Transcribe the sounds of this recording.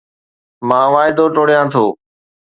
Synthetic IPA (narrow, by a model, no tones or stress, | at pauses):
mãːʋaːɪd̪oːʈoːɽijãːt̪ʰoː